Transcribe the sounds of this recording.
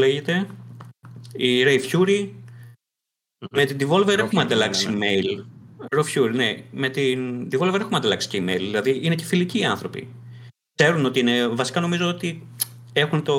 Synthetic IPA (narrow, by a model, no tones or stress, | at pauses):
leʝet̪e̞ | iɾejfçuɾi | me̞t̪ind̪ivo̞lveɾexumɐnd̪ɐlɐksime̞jlɾofçuɾineme̞t̪ind̪ivo̞lveɾe̞xumɐnd̪ɐlɐksi̥ceimḛilðilɐðiine̞ce̞filiciːɐnθɾo̞pḭ | kse̞ɾuno̞t̪iinevɐsi̥kɐno̞mizo̞ot̪i | e̞xunt̪o̞